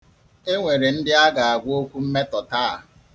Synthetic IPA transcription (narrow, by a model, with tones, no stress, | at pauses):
e˦ŋʷe˨ɾe˨n̩˦dɪ˦a˦ɡa˨a˨ɡʷo˦kʷu˦m̩˦me˦tɔ˨ta˦˨